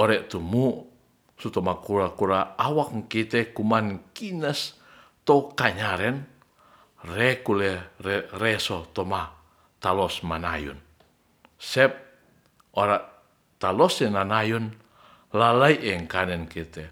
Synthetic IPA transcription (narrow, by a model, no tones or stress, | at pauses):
oɾɛʔt̪umuʔ | sut̪ɔmakuɾakuɾaawakŋkit̪ɛkumankinəs | t̪okaɲaɾɛn | rɛkulɛrɛrɛsɔt̪ɔma | t̪alɔsmana̰jṵn | sɛp̚ | oɾaʔ | t̪alɔsɛnanajun | lalaiʔɛŋkanɛnkit̪ɛ